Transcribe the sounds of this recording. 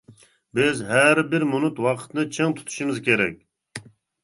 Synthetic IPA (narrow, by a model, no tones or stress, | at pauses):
bɪzɦæɾbɪɾmunut̪wɑqʰə̥t̪nɨt͡ʃʰeŋt̪ʰu̥t̪ʰu̥ʃumɪzkʲeɾɛ̰kʲ